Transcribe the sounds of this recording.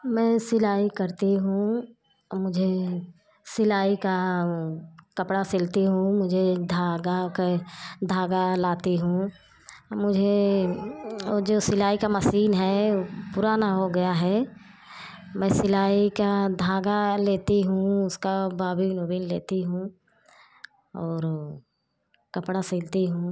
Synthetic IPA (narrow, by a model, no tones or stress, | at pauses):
mɛ̃ːsɪlaːikɐɾt̪iɦũ | mʊd͡ʒʱe | sɪlaːika | kɐpɽasɪlt̪iɦũmʊd͡ʒʱed̪ʱaːɡaked̪ʱaːɡalaːt̪iɦũ | mʊd͡ʒʱe | d͡ʒoːsɪlaːikamɐsiːnɦɛpʊɾaːnaɦoɡɐjaɦɛ | mɛ̃ːsɪlaːikad̪ʱaːɡaleːt̪iɦũʊskabaːbinobiːnleːt̪iɦũː | ɔːɾ | kɐpɽasɪlt̪iɦũː